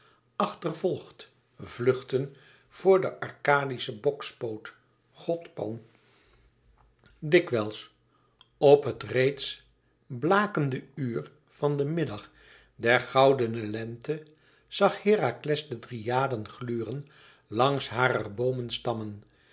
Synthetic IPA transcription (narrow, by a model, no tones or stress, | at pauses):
ʔɑχtərvɔlˠχt | vlɵχtən | v̥ʊːɹdəʔɑɹkaːdisəbɔkspowt | χɔtpɑn | dɪkʋɛlˠs | ɔpɦətrejts | blaːkəndəyːr | v̥ɑndəmɪdɑχ | dɛɹχɑwdənəlɛntə | z̥ɑχhɪːraklɛsdədrijaːdənχlyːrən | lɑŋsɦaːrərbowmənstɑmən